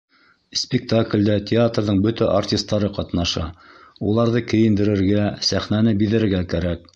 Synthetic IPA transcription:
sʲpʲɪk̚t̪aklʲd̪æt̪ʲɪat̪rðɤɴbɵt̪æʔartʲist̪ːɑɾɤqɑt̪nɑʃɑ̰ulˠɑɾðɤkɘ̆jɘ̆nd̪ɘ̆ɾɘ̆ɾɡæsæχnænɘbiðɘ̆ɘ̆ɾɡækæɾæk̚

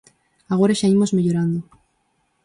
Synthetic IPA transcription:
aɣ̞o̞ɾaʃaimozmeʎoɾand̪o

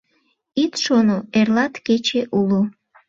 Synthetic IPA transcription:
it̪ʃonoerlɑt̪ket͡ɕeʔulo

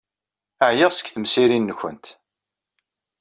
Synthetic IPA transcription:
əʕjəʁsə̥kːθəmsiɾinːəçə̰nt̪

